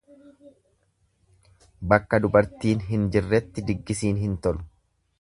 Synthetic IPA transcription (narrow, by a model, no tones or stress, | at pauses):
bɐkːɐd̪ʊbɐɾt̪iːnɦɪnd͡ʒɪrːɛt̪ːɪd̪ɪɡːɪsiːnɦɪnt̪ɔlʊ̥